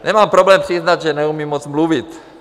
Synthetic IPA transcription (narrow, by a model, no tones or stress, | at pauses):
ɲɛmaːmpɾɔblɛːmpriznaɟʒɛnɛumimːɔd͡zmluʋit̪